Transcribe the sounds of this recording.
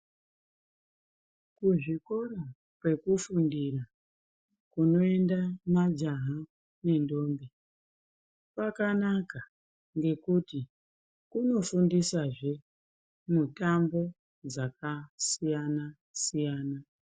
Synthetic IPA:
kuʐiko̞ra | pwe̞kufundira | kuno̞e̞ndamad͡ʒaɦa | ne̞ndo̞ːmbe | pakanaka | ŋɡe̞kuti | kuno̞fundisaʐe̞ | mutambo̞ | d͡zakasijana | sijaːna

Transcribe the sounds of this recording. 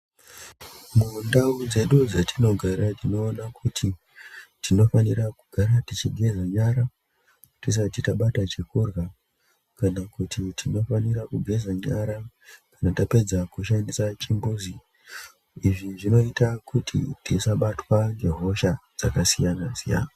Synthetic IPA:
mundaud͡ze̞ɗud͡zatʰino̞ɡʱaɾatino̞ːnakʰutʰi | tino̞fanirakuɡʱaɾatit͡ʃiɡʱe̞zaɲaɾa | tis̬atitaɓatat͡ʃekurɣa | kanakutʰitʰino̞faniɾakuɡʱe̞zaɲaɾa | kanatape̞d͡zakuʃandisat͡ʃimbuzi | iʐiʐino̞itakutʰḭtisaɓatwaŋɡe̞ɦo̞ʃad͡z̥akasijanasija̰na

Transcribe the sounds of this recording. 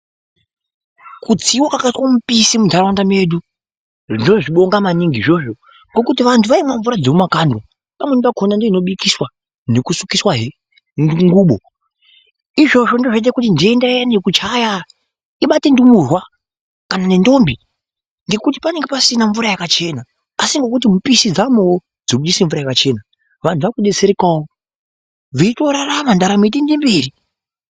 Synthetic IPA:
kud͡ziwakakatkamupisimundarwandame̞ɗu | ʐinoʐiɓo̞ŋɡamaniŋɡiʐo̞ʐo̞ | ŋɡo̞kut̬iʋantʰuʋaimwaɱvuɾad͡zemumakando | pamwenipakʰonandeino̞ɓikiswa | nekusukiswaɦe | nuŋɡuːɓo | iʐo̞ʐo̞ndoʐet̬ekutindiendajanekut͡ʃaja | iɓatindumurwa | kananendo̞mbi | ndekut̬i̥pane̞ŋɡepasinaɱvuɾajakat͡ʃe̞na | asiŋɡokut̬imupisid͡zamuwo | d͡zoɓuɗisiɱvuɾajakat͡ʃe̞na | ʋan̤tʰuʋakuɗet͡seɾekawo | ʋito̞ɾaramandaɾamit̬indimbiːɾi

